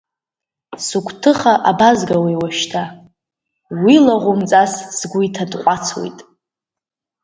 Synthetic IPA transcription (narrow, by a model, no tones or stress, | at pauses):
sukʷʰʼtʰɨχaʔabazɡawajwaʃtʰa | wilaʁʷʊmt͡sʼassɡʷʊitʰadqʷʼat͡sʰwo̰jtʼ